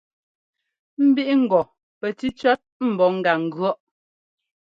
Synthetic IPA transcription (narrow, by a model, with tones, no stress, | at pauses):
m̩˦bi˦ʔŋ̩˨ɡɔ˨ | pɛ˨ti˦t͡ʃɔ˦t̚m̩˨bɔ˨ŋ̩˦ɡa˨ŋ̩˨ɡɰɔ˦ʔ